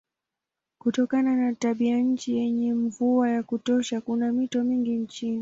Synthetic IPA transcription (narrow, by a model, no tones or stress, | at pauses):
kutɔkananataɓiaɲ̩t͡ʃijɛɲɛɱvuajakutɔʃakunamitɔmiŋɡiɲt͡ʃini